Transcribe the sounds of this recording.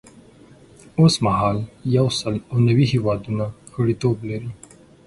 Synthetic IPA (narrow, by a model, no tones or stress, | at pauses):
osmaɦɑljawsəlawnawiɦewɑd̪unaxəɽit̪oblaɾi